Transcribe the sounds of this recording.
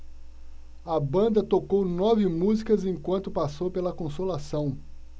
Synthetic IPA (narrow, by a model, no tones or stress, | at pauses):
ɐbɐ̃nd̪ɐt̪okownɔvɪmuzikɐzẽj̃kwɐ̃nt̪ʊpasowpelɐkõsolasɐ̃w̃